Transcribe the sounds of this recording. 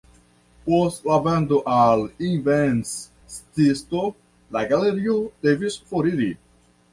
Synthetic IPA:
post̪lavand̪oʔalinvens | st̪ist̪o | laɡaleɾiod̪̥evisfoɾiɾi

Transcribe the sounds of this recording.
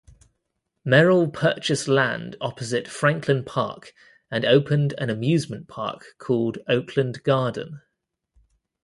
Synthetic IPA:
mɛɹəlˠpʰɜˑt͡ʃɪslã̰ndɒpəzɪtfɹãŋkʰlɪ̃npʰɑ̰ˑk | ə̃nəʊpʰə̃ndə̰̃nəmjʉːzmə̃npʰɑ̰ˑkʰɔːlˠdəʊkʰlə̃ndɡɑːdⁿn̩

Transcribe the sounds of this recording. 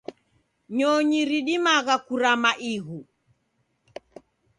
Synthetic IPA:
ɲɔɲiɾiɗimaɣakuɾamaʔiɣu

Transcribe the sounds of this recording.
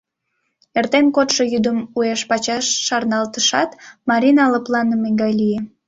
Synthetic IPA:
ert̪enkot̪ʃojyd̪əmueʃpɑt͡ɕɑʃːɑrnɑlt̪əʃɑt̪mɑɾʲinɑləplɑnəmeŋɡɑjlije

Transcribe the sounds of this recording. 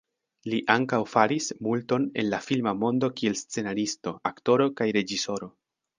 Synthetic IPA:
liʔaŋkawfaɾismulto̞ne̞̰nlafilmamo̞ndo̞kie̞lst͡se̞naɾisto̞akto̞ɾo̞kajɾe̞d͡ʒiso̞ɾo̞

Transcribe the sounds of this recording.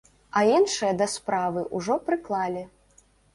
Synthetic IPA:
ɐinʂɨjɐd̪ɐspɾavɨʔuʐɔpɾɨklˠalʲi

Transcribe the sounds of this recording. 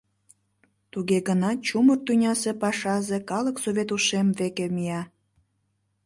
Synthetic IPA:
t̪uɣeɣənɑt͡ɕumərt̪unʲɑsepɑʃɑzekɑləksoβʲet̪uʃemvekemijɑ

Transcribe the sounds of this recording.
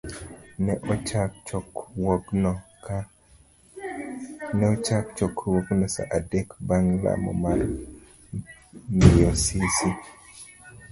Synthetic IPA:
nɛʔɔt͡ʃa | wn | nɛɔt͡ʃakt͡ʃɔkʰwoknɔsa̰ʔadɛkbaŋla̰mɔ̰mar | nijɔsisi

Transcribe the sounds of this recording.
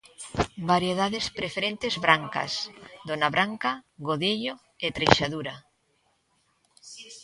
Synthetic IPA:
baɾjeðaðespɾefeɾent̪ezβɾaŋka̰sd̪onaβɾaŋkaɣoðeʎo | et̪ɾejʃaðuɾa

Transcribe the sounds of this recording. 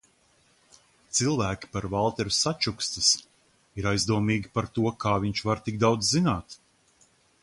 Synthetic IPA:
t̪silˠvæːkʲi̥paɾvalˠt̪ɛɾusat͡ʃukst̪is | iɾajzd̪uɔmiːɡʲipaɾt̪uɔkʰaːviɲt͡ʃvaɾt̪iɡd̪awd̪zzinaːt̪

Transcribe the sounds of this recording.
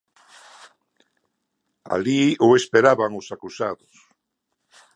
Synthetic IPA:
a̰lioespeɾaβaŋosakusaðʊs

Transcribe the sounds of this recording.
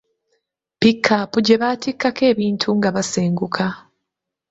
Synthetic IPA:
pikʰːapuɟe̞βaːtikːake̞ːβiːntʰuŋɡaβaseːŋɡukʰa

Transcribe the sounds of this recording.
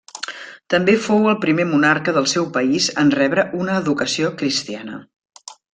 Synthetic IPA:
t̪əmbefowəlˠpɾimemunarkəðəlˠsɛwpəizənrɛβɾəʔunəːðukəsiokɾist̪ianə̰

